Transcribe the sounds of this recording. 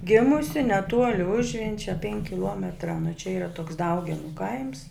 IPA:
ˈɡʲeːmʊsʲɪ nʲɛˈtuɔlʲɪ ˈʊʒʲʋʲɛnʲt͡ʃʲɛ pʲɛŋʲkʲ kʲɪˈlˠuɔmʲɛtrɐ nʊ t͡ʃʲɛ iːˈrɐ toːks ˈdɐʊɡʲɛnʊ kɐɪms

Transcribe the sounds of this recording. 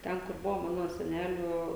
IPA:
ˈtʲɛn kʊr ˈbʊʋoː ˈmɑːnoː sʲɛˈnʲæːlʲuː

